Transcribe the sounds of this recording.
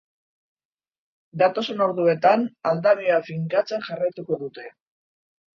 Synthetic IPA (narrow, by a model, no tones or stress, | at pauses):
d̪at̪o̞so̞no̞ɾðue̞t̪anald̪aβioafiŋkat͡se̞nʝarajt̪uko̞ðut̪e̞